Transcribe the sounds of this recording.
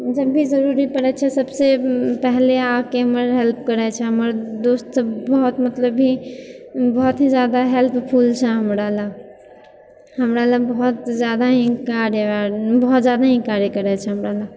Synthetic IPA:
d͡ʒəbʱːizəɾuɾipəɽɛt͡ʃʰɛsəbsepɛɦleakeɦəməɾɦelp̚ʰkəɾɛt͡ʃʰɛɦəməɾd̪ost̪bəɦɔt̪mət̪ləbʱi | bɔɦɔt̪ɦĩzjaːd̪aɦelpʰpʰuːlt͡ʃʰɛɦəmɾala | ɦəmɾalabəɦɔt̪zjaːd̪aɦĩkaɾjəbɔɦɔt̪zjad̪aɦĩkaɾjəkəɾɛt͡ʃʰɛɦəmɾala

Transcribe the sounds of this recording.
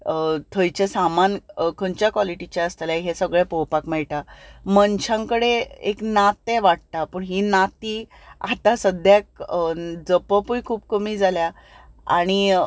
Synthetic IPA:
t̪ʰəjt͡ɕesamankʰəɲt͡ɕjakʋɔliʈit͡ɕaəst̪alaɦesəɡɭɛpowpakmɛɭʈamənt͡ɕʰãŋkəɽeeknat̪ːeʋaʈ̚t̪apəɳɦinat̪i | a̰t̪ãsəd̪ʱjak̚ | d͡zəpəpujkʰuːpkəmiːd͡zalja | a̰ɽ̃i

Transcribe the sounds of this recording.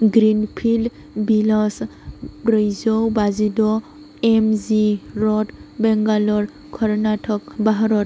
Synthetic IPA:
ɡɾinpʰil | bilɔspɾəjzɔwbazidɔ | ɛmziɾɔtbɛŋɡalɔɹ | kʰɔɾnatʰɔk̚baɦaɾɔt

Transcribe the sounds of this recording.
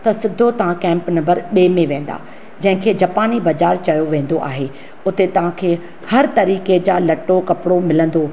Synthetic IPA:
t̪ɐsɪd̪ʱːot̪ɐʋ̤ãkɛ̃ːmpnɐ̃mbəɾɓeːmẽʋẽːn̆d̪a̰ː | d͡ʑɐ̃ɦɪ̃kʰeːd͡ʑɐːpaːnibɐd͡ʑaːɾt͡ɕɐjoʋẽːn̆d̪oʔa̰ːɦe | ʊt̪et̪ɐʋ̤ãkʰeː | hɐɾt̪ɐɾiːked͡ʑaːlɐʈːokɐpɪɽomɪlə̃n̆d̪o

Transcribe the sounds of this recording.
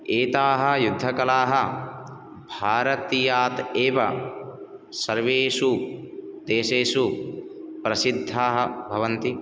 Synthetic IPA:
eːt̪aːɦɐ̆jud̪ʱːɐkɐlaːɦɐ | bʱaːɾɐt̪ijaːt̪eːʋɐ | sɐɾʋeːʃu | d̪eːʃeːʃu | pɾɐsid̪ʱːaːɦɐbʱɐʋɐnt̪i

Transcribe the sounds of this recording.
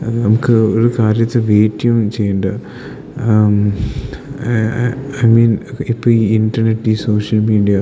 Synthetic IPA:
nɐmukːɨoɾukaːɾjɐt̪ːeʋeːtːiut͡ɕe̞jːuɳɖɨ | ɐjmiːnipːoːiinɖɐrneʈːiːso̞ːʂɐlmiːɖijɐ

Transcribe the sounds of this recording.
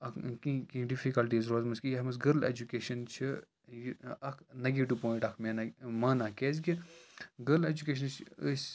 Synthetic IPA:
ɐkikĩɖifikɐlʈiːzɾoːzmɐskijɐɦmɐsɡɐɾlḛːd͡ʒukeːʃɐnt͡ʃʰi | jɐkʰnɐɡiʈupõːĩʈɐkʰmeːnmaːnaːkeːz̬ɡiɡəɾled͡ʒukeːʃ̬ɐnt͡ʃʰəsʲ

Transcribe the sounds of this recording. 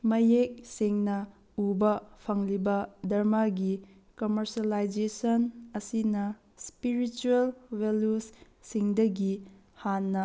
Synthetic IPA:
mɐjek̚seŋnɐ | ubɐpʰɐŋlibɐdɐɾmaɡi | komɐɾsɐlajd͡ʒesɐnɐsinɐ | spiɾit͡ʃuelwelusː | iŋdɐɡi | hanːɐ

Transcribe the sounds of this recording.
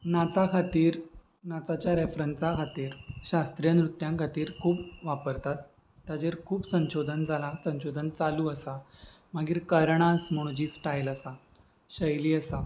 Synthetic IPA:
nat͡sakʰat̪iːɾ | nat͡sat͡ɕjaɾefɾənsakʰat̪iːɾɕast̪ɾijanɾut̪ːjãŋkʰat̪iːɾkʰuːpʋapəɾt̪at̪ː | jad͡ʑeɾkʰuːpsə̃ɕod̪ʱənd͡zʱalasə̃ɕod̪ʱənt͡saluːəsa | maɡiːɾkəɾɳasm̤əɽ̃ũd͡ʑiːsʈajləsa | ɕəjliːəsa

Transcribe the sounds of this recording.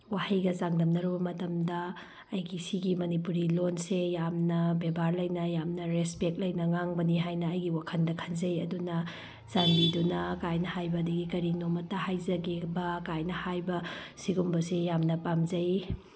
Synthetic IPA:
wahɐjɡɐzaŋdɐmnɐɾubɐmɐtɐmdɐː | jɡisiɡimɐnipuɾilonsejamnɐbebaɾlɐjnɐjamnɐɾespek̚t̚lɐjnɐŋaŋbɐniɦajnɐːjɡiwakʰɐndɐkʰɐnzɐjɐdunɐ | z̥anbidunɐkajnɐhajbɐːdɐɡikɐɾinomɐtːɐhajzɐɡebɐkajnɐhajbɐsiɡumbɐsejamnɐpamzɐj

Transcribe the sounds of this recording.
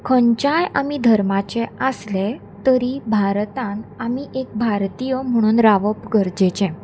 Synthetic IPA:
kʰəɲt͡ɕajamid̪ʱəɾmat͡ɕɛəsle | t̪əɾibʱaɾt̪ãnamiʔek̚bʱaɾt̪ijəm̤əɽ̃uːnɾaʋəpɡəɾd͡ʑet͡ɕɛ̃

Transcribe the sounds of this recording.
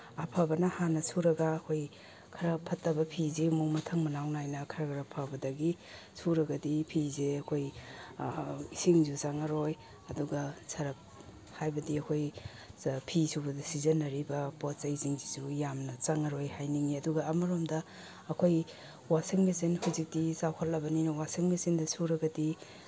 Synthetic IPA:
apʰabɐnɐhanɐsʰuɾɐɡɐːkʰoj | kʰɐɾɐpʰɐtːɐbɐpʰizemumɐtʰɐŋmɐnawnajnɐkʰɐɾɐkʰɐɾɐpʰabɐdɐɡi | sʰuɾɐɡɐdipʰizeɐkʰoj | isiŋzut͡ʃaŋɐɾoj | ɐduɡɐsʰɐɾɐp̚ | hajbɐdiɐkʰoj | pʰisʰubɐdisizɐnːɐɾibɐpot͡ʃɐjziŋzizujamnɐt͡ʃaŋɐɾojhajniŋiɐduɡɐːmɐɾomdɐː | kʰoj | waseŋmesenhuwzik̚tisawkʰɐt̚lɐbɐninɐwaseŋmesindɐsʰuɾɐɡɐdi

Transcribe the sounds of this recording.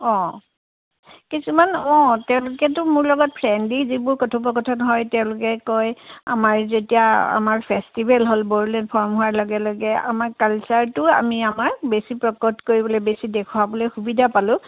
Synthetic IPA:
ɔ̃ | kisumanɔ̃tɛʊ̃lʊkɛtʊmʊɹlɔɡɔt̚pʰɹɛndizibʊɹkɔtʰɔbɔkɔtʰɔnɦɔjtɛʊ̃lʊkɛkɔja̰maɹzetijaa̰maɹpʰestibʱɛlɦolboɹlɛnpʰɔɹmɦuaɹlɔɡɛlɔɡɛa̰maɹkalsaɹtʊa̰miamaɹbesipɹɔkɔtkoɹibɔlojbesidekʰuabɔlojxubidʱapalʊ̃

